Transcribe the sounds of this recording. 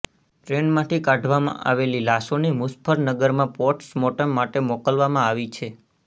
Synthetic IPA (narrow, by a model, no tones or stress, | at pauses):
ʈɾenmãʈʰikãɖʱʋamã̰ʔa̰ʋelilasonemuspʰəɾnəɡəɾmãpɔʈsmɔʈəmːaʈemɔkəlʋamãaʋit͡ʃʰe